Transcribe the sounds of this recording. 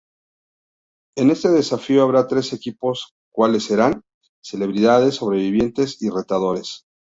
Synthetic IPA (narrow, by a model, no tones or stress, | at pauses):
e̞ne̞st̪e̞ðe̞safio̞aβɾat̪ɾe̞se̞kipo̞s | kwale̞sːe̞ɾan | se̞le̞βɾiðaðe̞sːo̞β̞ɾe̞βiβ̞je̞nt̪e̞sire̞t̪aðo̞ɾe̞s